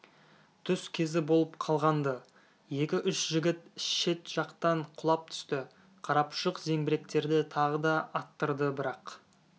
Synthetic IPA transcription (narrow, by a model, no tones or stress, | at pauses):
t̪ʰʏskʲʰe̞zɪbo̞lˠəpqʰɑlˠʁɑnd̪ə | je̞kʲɪʔʏʃʒɪɡʲɪt̪ɪʃe̞t̪ʒ̥ɑqt̪ɑɴqʰʊlˠɑp̚t̪ʰʏ̥st̪ɪ | qʰɑɾɑpʃəqze̞ŋbɪɾe̞kt̪e̞ɾd̪ɪt̪ʰɑʁəd̪ɑɑt̪ːəɾd̪əbɪɾɑq